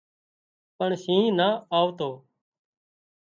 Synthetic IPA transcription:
pəɳʃĩːnaːaːʋt̪oː

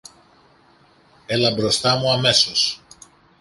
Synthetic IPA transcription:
e̞lɐbɾo̞st̪ɐmuɐme̞sos

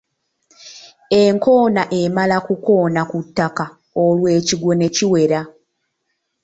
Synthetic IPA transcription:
e̞ŋko̞ːnaʔe̞malakuko̞ːnakutːaka | olwe̞ːciɡwo̞ne̞ciwe̞ɾa

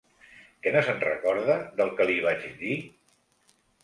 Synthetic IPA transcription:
kɛnəzənrəkɔɾðəðəlˠkəliβ̞ad͡ʒði

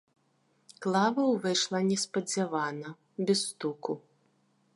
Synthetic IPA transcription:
klˠavɐwvɛʂlˠɐnʲɛspɐd͡zʲavanɐ | bʲɛst̪uku

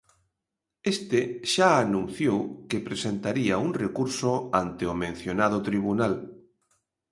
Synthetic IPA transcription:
est̪eʃaːnũn̟θjowkepɾesent̪aɾiauŋrekuɾsoant̪eomẽn̟θjonað̞ot̪ɾiβ̞unal

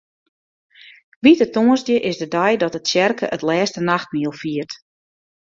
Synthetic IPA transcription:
ʋitətoənzdjəʔɪsdədɛjdɔtətsjɛrkəʔətlɛːstənaxt̚miəlˠfiərt

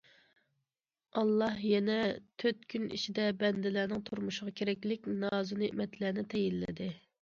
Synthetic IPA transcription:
ɑlˠːɑhjɛnɛt̪ʰøt̪kʲʰynḭʃid̪ɛbɛnd̪ɪlæːnɪŋt̪ʰuɾmuʃɪʁɑkʲʰeɾɛkʲlɪkʲnɑːzuneʔmɛt̪læːnɪt̪ʰɛjilːɪ̰d̪ɪ

